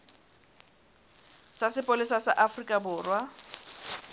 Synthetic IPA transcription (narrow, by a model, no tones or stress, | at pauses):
sasɪpʼolɪsasaʔafrikʼabʊːrwa